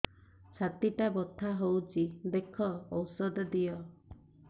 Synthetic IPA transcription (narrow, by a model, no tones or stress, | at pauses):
t͡ʃʰat̪iʈabɔt̪ʰːaɦowt͡ʃʰid̪ekʰɔːwsɔd̪ɔd̪ijɔ